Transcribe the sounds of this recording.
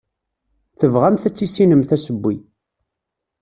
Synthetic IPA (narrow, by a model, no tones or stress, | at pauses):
θəvʁæmθæt͡sːisːinəmθæsəbːi